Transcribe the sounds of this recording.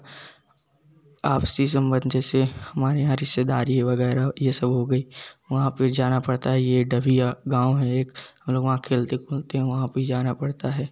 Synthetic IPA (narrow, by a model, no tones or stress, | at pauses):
aːpsisəmbə̃nd̪esehɐmaːɾeɦãɾɪʃt̪ed̪aːɾiɦɛʋɐɣɛːɾajesɐbɦoɡɐiːʋɐɦãpɪɾd͡ʒaːnapɐɽt̪aɦɛjeɖɐʋijaɡãːwɦɛeːkɦɐmloːɡʋɐɦãkʰeːlt̪ekʰuːlt̪eɦɛ̃ʋɐɦãpid͡ʒaːnapɐɽt̪aɦɛː